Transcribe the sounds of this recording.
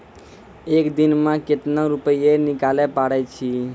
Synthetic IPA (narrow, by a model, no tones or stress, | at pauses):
ekd̪inmẽket̪nəɾupəjenikalɛpaɽɛt͡ʃʰi